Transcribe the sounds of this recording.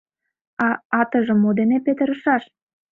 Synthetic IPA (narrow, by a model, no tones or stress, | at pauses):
ɑɑt̪əʒə̆mːod̪enepet̪ə̆ɾə̆ʃɑʃ